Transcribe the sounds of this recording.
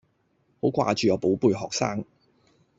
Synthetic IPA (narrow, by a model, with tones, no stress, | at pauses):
ho˨˥wkʷa̰ː˧t͡ʃyː˨ɔː˨˧po˨˥wpuː˧jɦɔː˨k̚saː˥ŋ